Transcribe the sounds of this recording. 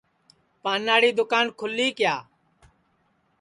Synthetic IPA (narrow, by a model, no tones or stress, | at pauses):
paːnːaːɽiːd̪ʊkaːnkʰʊlːiːkɪjaː